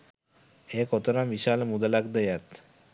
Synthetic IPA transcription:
ekɔt̪ɔɾamiʃalmud̪alakd̪ejat̪

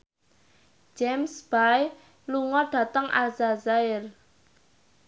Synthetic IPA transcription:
d͡ʒɛmsb̥aj | luŋɔɖ̥a̤t̪əŋʔa̰zazaɪr

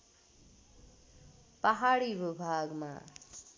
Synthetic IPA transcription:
pəɦaːɽiːʋɪbʱaːɡmã̰ː

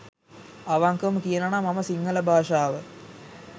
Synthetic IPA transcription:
ɐʋaŋkəmkijɐnɐnamɐmɐsiŋːɐlɐbʱaːʂaːʋə

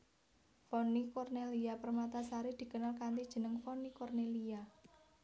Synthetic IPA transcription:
fɔnikɔrneliapərmat̪asaɾid̪̥i̤kənalkant̪id̥ʒ̥ə̤nəŋfɔnikɔrnelia

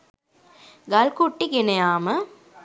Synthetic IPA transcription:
ɡɐlkuʈːikenɐjaːmɐ

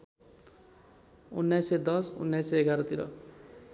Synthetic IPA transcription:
unːajsed̪ʌsṵnːajseeɡaɾʌt̪iɾʌ̰

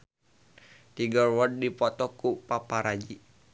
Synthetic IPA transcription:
t̪iɡɔrwɔd̚dipɔt̪ɔkupapaɾad͡ʒi

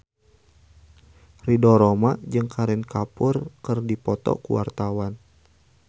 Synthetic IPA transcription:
ridɔɾɔmad͡ʒɨŋkʰaɾɛnkapʊrkɨrdipɔt̪ɔ̰kṵwa̰rt̪awan

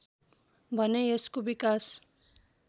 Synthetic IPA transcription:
bʱʌneeskobikas

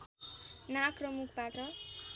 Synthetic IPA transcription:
nakrʌmukʰbaʈʌ

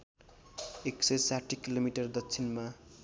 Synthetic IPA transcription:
eksʌjsaʈʰikilomiʈʌrd̪ʌtːt͡sʰinma

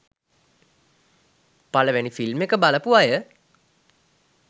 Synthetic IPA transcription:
paləʋænifilmekəbaləpuajə

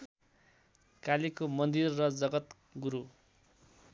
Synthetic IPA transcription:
kalikomʌnd̪irːʌd͡zʌɡʌt̪ | ɡuɾu

